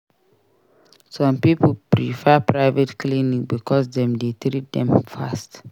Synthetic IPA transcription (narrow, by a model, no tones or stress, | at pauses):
sɔ̃mpipulpɾifɛpɹaɪvetklinĩk̚bikʰɔsdɛ̃mdetɾit̚dɛ̰̃mfast